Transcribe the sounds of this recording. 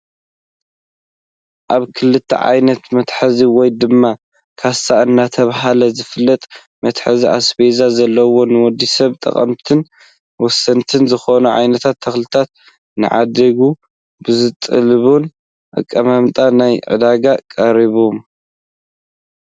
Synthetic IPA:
ʔaβkʰɨlɨt̪ʰːɐ̰ʕa̰jnɐt̪mɐt̪ħaziwɔjd̪ɨmːa | kʰast̪ʰaʔɨnːat̪ʰɐβɦalɐzɨfɨlːɐt̪ʼ | mɐt̪ħaziʔa̰sbezazɐlːɐwo̞nɨwɔd̪ːisɐβt̪ʼɐ̰χʼɐ̰mt̪ʰɨn | wɔsɐnt̪ʰɨnzɨxonuʕa̰jnɐt̪ʰat̪ʰːɐxlɨt̪ʰat̪̚ | nɨ̰ʕa̰d̪ɐɡu | bɨzɨt̪ʼɨ̰lɨβun | ʔɨ̰kʼːɐmamt̪ʼanajʕɨ̰d̪aɡakʼɐɾiβom

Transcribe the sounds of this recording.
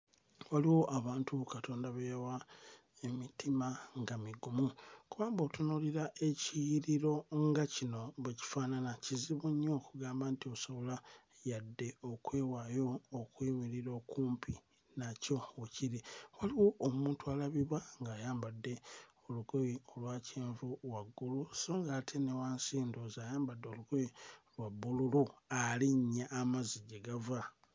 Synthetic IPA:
waliwo̞ʔaβaːntukato̞ːndaβewa | emitimaŋɡamiɡumukuβaːmboːtunuliɾaʔe̞ciɾiɾo̞ŋɡacino̞βeci̥faːnanaciziβuɲːoːkuɡaːmbaːntioso̞βo̞la | jadːe̞o̞kwe̞ːwajo̞ːkwiːmiɾiɾo̞ːkuːmpi | naco̞ociɾiwaliwo̞ʔːmuːntualaβiβaŋɡaːjaːmbadːe̞ | o̞luɡojiolwaːcʰeːɱvuwaɡːulusoːŋɡaːtʰe̞newaːnsiːndozaːjaːmbadːeluɡojilwabːululualiɲːaʔːmaziɟeɡava

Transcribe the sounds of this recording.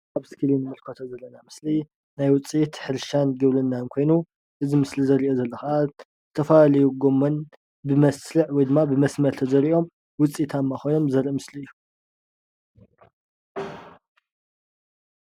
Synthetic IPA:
aβskʰɨlinɨmɨlkʰot̪ʰozɐlːɐnamɨsli | najwʊt͡sʼit̪ħɨɾʃanɡɨβlɨnːankʰo̞jnu | ʔɨzimɨslizɐɾiʔozɐlːɐxɐʔa | zɨt̪ʰɐfɐlalɐjuɡo̞mːɐn | bɨmɐslɨʕwɔjd̪ɨmːabɨmɐsmɐɾt̪ʰɐzɐɾiʔo̞m | wʊt͡sʼit̪ʰamːaxo̞jno̞mzɐɾʔɨmɨsliɨjːu

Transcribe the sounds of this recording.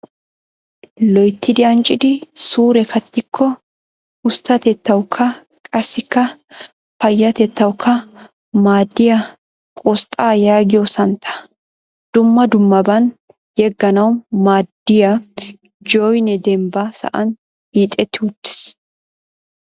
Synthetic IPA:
lɔjt̪ːɪd̪ɪɐnt͡ʃʼɪd̪ɪsuːɾɛkʰɐt̪ːɪkʰːɔ | ʊst̪ːɐt̪ɛt̪ːɐwkʰːɐ | kʼɐsːɪkːɐ | pɐjːɐt̪ɛt̪ːɐwkʰːɐ | maːd̪ːɪjɐ | kʼɔst̪ʼaːjaːɡɪjosɐnt̪ʰɐ̥ | d̪̥ʊmːɐd̪ʊmːɐbɐn | jɛɡːɐnɐwmaːd̪ːɪjɐ | d͡ʒɔjnɛd̪ɛmbasɐ̰ʔɐn | hiːt̪ʼɛt̪ːɪʊd̪ːɪ̥s

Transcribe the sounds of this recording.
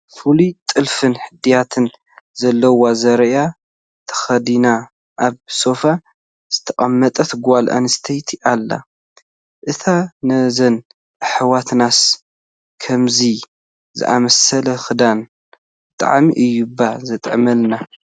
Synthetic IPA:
fulut̪ʼɨlfɨnħɨd̪ijat̪ʰɨn | zɐlːɐwazɐɾja | t̪ʰɐ̥xɐd̪ina | ʔaβso̞fa | z̥ɨt̪ʰɐkʼɐmːɐt̪ʼɐt̪ɡalʔa̰nɨst̪ʰejt̪ʰiʔalːa̰ | ʔɨt̪ʰanɐzɐn | ɨħɨwat̪nas | kʰɐmzi | zɨ̰ʔa̰mɐsɐlɐxɨd̪an | bɨt̪ʼa̰ʕmḭʔɨjːubːazɐt̪ʼʕmɐlna

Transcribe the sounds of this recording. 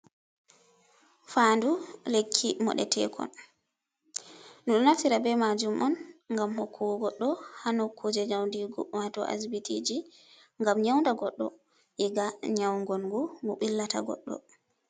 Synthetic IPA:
fandulekʰːimɔ̰ɗɛ̰tʰɛ̰ːkʰɔ̰n | nuɗɔnaftiɾabɛmad͡ʒumʔɔnŋɡamhɔkʰːuɡɔɡɔɗːɔhanɔkʰːud͡ʒɛɲawndiɡɔwatɔʔa̰sbitid͡ʒi | ŋɡamɲawndaɡɔɗːɔ̰ | ʔɛɡaɲawŋɡɔnɡumɔɓilːata̰ɡɔ̰ɗːɔ̰

